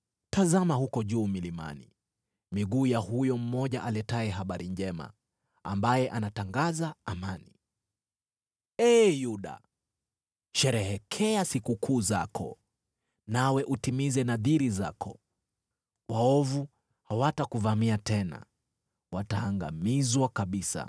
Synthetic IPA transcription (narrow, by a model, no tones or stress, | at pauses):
tazamahukɔʄuːmilima̰ni | miɠuːjahujɔm̩mɔʄaʔalɛtaɛɦaɓaɾiɲd͡ʒɛma̰ | a̰mbajɛʔanataŋɡazaamani | ɛːjuɗa̰ | ʃɛɾɛhɛkʰɛasikukʰuːzakʰɔ̰ | nawɛʔutimizɛnaðiɾiza̰kʰɔ̰ | waɔvu | hawatakuvamiatɛna̰ | wataːŋɡa̰mizwakaɓisa̰